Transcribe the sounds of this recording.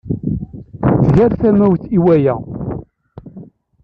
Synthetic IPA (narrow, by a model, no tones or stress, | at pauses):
θʝæɾθæmæwθiwæjæ